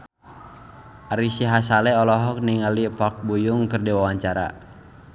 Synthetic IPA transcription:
ʔaɾisiɦasalɛɔlɔɦɔk̚niŋalipɔk̚bujuŋkɨrdiwawaɲt͡ʃaɾa̰

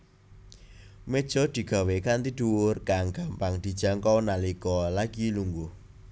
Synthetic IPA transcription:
med̥ʒ̥ɔ̤d̪̥i̤ɡ̥a̤wekant̪id̪̥uwʊrkaŋɡ̥ampaŋd̪̥i̤d̥ʒ̥a̤ŋkɔwnaliɡɔlaɡiluŋɡʊh

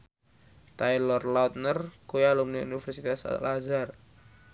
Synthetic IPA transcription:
t̪ajlɔrlɔt̪̚nərkujalumniṵnifɛrsit̪asa̰lazar

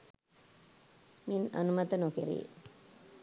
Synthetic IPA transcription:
mina̰numat̪ənokiɾḭː

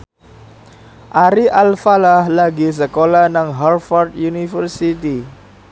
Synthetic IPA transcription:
ʔaɾiʔalfalahlaɡis̬əkolanaŋɦarfɔrd̪junifərsit̪i

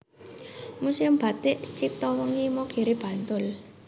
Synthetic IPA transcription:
musɪmb̥a̤t̪ɪʔt͡ʃik̚t̪ɔwɔŋimoɡ̥ʰe̤ɾeb̥ä̤nt̪ʊl

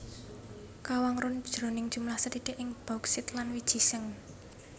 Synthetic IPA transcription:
kawaŋɾʊn̥ʒ̥ɾo̤nɪŋ̥ʒ̥ṳmlahsəd̥i̤d̥eʔɪŋb̥auksɪt̪lanwid̥ʒ̥i̤səŋ

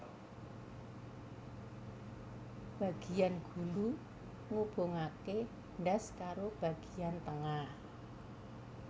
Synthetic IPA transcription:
b̥a̤ɡ̥ijanɡ̥ṳlu | ŋob̥o̤ŋake | ɳɖaskaɾob̥a̤ɡ̥i̤ant̪əŋah

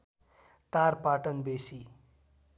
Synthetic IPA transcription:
t̪aɾpaʈʌnbesi

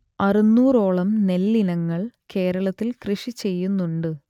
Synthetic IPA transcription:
ɐrinːuːro̞ːɭɐmne̞lːinɐŋːɐɭke̞ːɾɐɭɐt̪ːilkrɨʂit͡ɕe̞jːunːuɳɖɨ

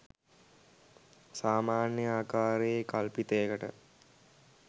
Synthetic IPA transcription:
saːmaːnjəaːkaːɾeekalpit̪əjəkəʈə̰

